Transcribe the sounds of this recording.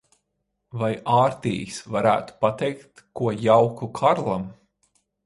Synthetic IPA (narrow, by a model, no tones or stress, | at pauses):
vajaːɾt̪ʲḭjisvaɾæ̰ːt̪u̥pat̪ɛjkt̪kuɔjawkukʰaɾlˠam